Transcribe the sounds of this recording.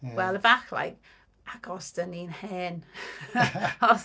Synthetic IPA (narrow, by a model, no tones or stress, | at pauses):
wɛlˠəvaxla̰jk | akʰɔsd̥əninhɛːn | ɔs